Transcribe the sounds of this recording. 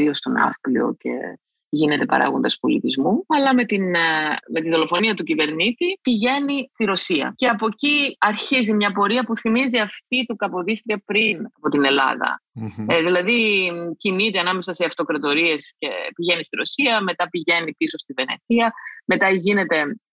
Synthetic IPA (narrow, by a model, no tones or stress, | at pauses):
ɾio̞st̪onɐ̰fplḭo̞̰ce̞̰ | ʝine̞t̪e̞pɐ̰ɾʔɐ̰ɣo̞nd̪ɐspo̞lḭt̪izmuɐlɐme̞t̪inme̞t̪iðo̞lo̞fo̞niɐt̪ucive̞ɾnit̪ipiʝe̞nist̪iɾo̞siɐ̰ceɐpo̞ciɐɾçizimɲɐpo̞ɾiɐpuθimiziɐft̪it̪ukɐpo̞ðist̪ɾiɐpɾinɐpo̞t̪ine̞lɐ̰ðɐ̰ðilɐðicinit̪iɐnɐme̞sɐseɐft̪o̞kɾɐt̪o̞ɾie̞sce̞piʝe̞nist̪iɾo̞siɐme̞t̪ɐpiʝe̞nipiso̞st̪ive̞nḛθiɐme̞t̪ɐʝine̞t̪e̞